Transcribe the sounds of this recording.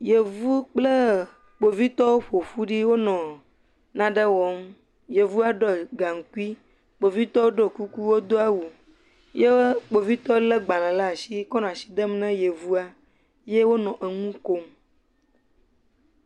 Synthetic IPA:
je˨vu˦k͡plə˦ | k͡po˨vi˦t̪ɔ˦wo˦ɸo˨ɸu˦ɖi˦wo˦nɔ̃˨ | nã˦ɖə˦wɔ˨˦m | je˨vu˦a˦ɖɔ˦ɡa˨ŋ̩˨ku˦i˦ | k͡po˨vi˦t̪ɔ˦wo˦ɖo˦ku˦ku˦wo˦d̪o˦a˦wu˨ | je˦k͡po˨vi˦t̪ɔ˦lə˦ɡ͡ba˨lã˨la˦˨si˦kɔ˦nɔ̃˨a˨si̥˨d̪ə˦m˦nɛ̃˦je˨vu˦a˦ | je˦wo˦nɔ̃˨ʔə˨ŋũ˦ko˦m

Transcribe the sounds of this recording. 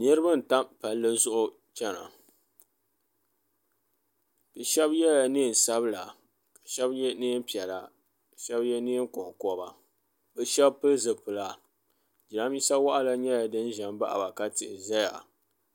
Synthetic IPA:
nɨ˦ɾɨ˦ba˦n̩˨ta˦mpa˨lːɨ˦zʊ˦ʔʊ˨ | t͡ʃɛ˦na̰˨ | b̥ɛ˨ʃɛ˦bjɛ˦ja˨niː˦˨n̩˨sa˦bla˨ | kḁ˨ʃɛ˦bjɛ˦niː˦m˦pi˨ɛ˨la˨ | ʃɛ˦bjɛ˦ni˦ŋ˦kɔ˨ŋ˨kɔ˦ba˨ | bɛ˨ʃɛ˦bpɨ˦zɨ˨pɨ˨la˨ | d͡ʒi˨a˦mji˦sa˦wa˦ʔa˦la˨ɲɛ˦ja˨dɨ˦nʒɛ˨mba˦ʔa̰˨ba˨ka˦tɪ˨ʔɪ˨za˦ja̰˨

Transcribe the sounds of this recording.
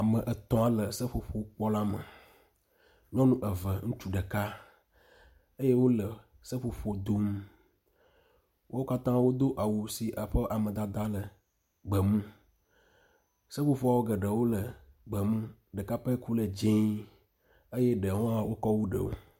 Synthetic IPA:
a˨mə̃˨ʔə˨t̪ɔ̃˦a˨lə˨sə˦ɸo˨ɸo˨˦k͡pɔ˦la˦mə̰˨ | lɔ̃˦nũ˦ʔə˨və˨ŋũ˦t͡ʃu˦ɖə˨ka˦ | ə˦je˦wo˦lə˨ | sə˦ɸo˨ɸo˨d̪o˦m | wʔo˦ka˦t̪ã˦wo˦d̪o˦ʔa˨wu˨si˨ʔə˨ɸə˦ʔa˨mə̃˨d̪a˨d̪a˦lə˨ | ɡ͡bə˨mũ˦ | sə˦fo˨ɸo˦a˨wo˦ɡə˨ɖə˨wo˦lə˨ | ɡ͡bə˨mũ˦ɖə˨ka˦pə˦ku˦lə˨d͡ʒẽ˦ | ə˦jɛ˦ɖə˨wɔ̃˦a˦wo˦kɔ˦wu˦ɖə̰˨wo̰˦

